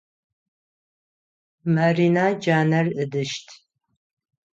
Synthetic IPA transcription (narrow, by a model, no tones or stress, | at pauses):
marinaːd͡ʒaːnɐrɨdɨʃtʰ